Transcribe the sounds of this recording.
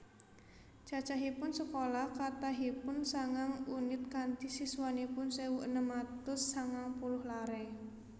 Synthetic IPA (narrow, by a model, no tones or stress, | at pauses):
d͡ʒ̥a̤̥t͡ʃaɦipʊnsəkolahkat̪aɦipʊnsaŋaŋunɪt̪̚kand̪isiswanipʊnsewuʔənəmat̪ʊsːaŋaŋpulʊhlaɾɛ